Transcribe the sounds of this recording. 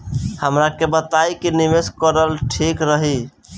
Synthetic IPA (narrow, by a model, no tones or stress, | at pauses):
həmɾakebət̪ajkinimeskəɾəlʈʰikɾəɦi